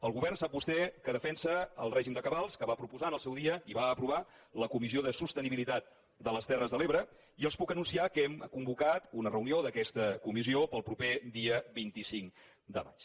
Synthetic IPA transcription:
əlˠɣuβɛrnsap̚bust̪ɛkəðəfɛnsəə̰lˠrɛʒimd̪əkəβalˠskəβapɾupuzanəlˠsɛwðiəiβaəpɾuβ̞a | ləkumizioðəsust̪əniβilit̪at̪̚ | d̪ələst̪ɛrəzðəleβɾə | iəlˠspukənunsiakɛmkumbukat̪unərəunioðəkɛst̪əkumiziopəlˠpɾuped̪iəβint̪isiŋ | d̪ə̰ma̰t͡ʃ

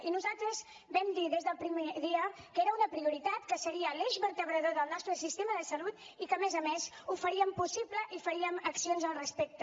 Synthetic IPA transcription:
inuzalˠt̪ɾəz | bɛmd̪iðezðəlˠpɾimeðiə | kəeɾəunəpɾiuɾit̪at̪kəsəɾiəleʒβəɾt̪əβɾəðoðəlˠnɔst̪ɾəsist̪eməðəsəlut̪ | ikəmezəmez | ufəɾiəmpusipləʔifəɾiəməksionzəlˠrəspek̚t̪ə

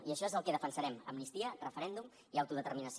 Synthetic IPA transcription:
iəʃɔezəlˠkɛðəfənsəɾɛmə̰mnist̪iərəfəɾɛnd̪um | iawt̪uðət̪ərminəs

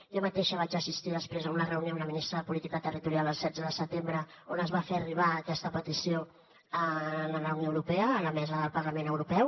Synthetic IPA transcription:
jomət̪eʃəβad͡ʒəsist̪iðəspɾezəunərəunjounəminist̪ɾəðəpulit̪ikət̪ərit̪uɾialˠəlˠsɛdd͡zəðəsət̪embɾə | onəzβaferiβ̞aːkɛst̪əpət̪isio | ənələunjoəwɾupɛəːləmɛzəðəlˠpəɾləmẽnəwɾupɛw

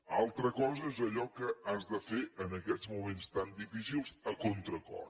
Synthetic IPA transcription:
alˠt̪ɾəkɔzəezəʎɔkəazd̪əfeʔənəkɛzmumenst̪and̪ifisilˠzəkont̪ɾəkɔ̰r

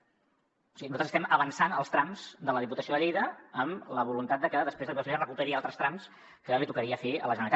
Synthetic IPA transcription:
siinuzat̪ɾzst̪ɛməβənsanəlˠst̪ɾamz̥d̪ələðiput̪əsioðəʎejðəəmləβ̞ulunt̪at̪̚d̪əkəðəspɾezðəpðəspezrəkupəɾialˠt̪ɾəst̪ɾams | kəlit̪ukəɾiəfeə̰ləʒənəɾit̪

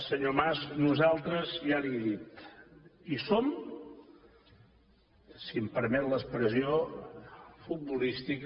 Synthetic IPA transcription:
səɲomaznuzalˠt̪ɾəzjalieðit̪ | isom | siəmpəɾmɛt̪ləspɾəzio | fut̪̚bulist̪ik

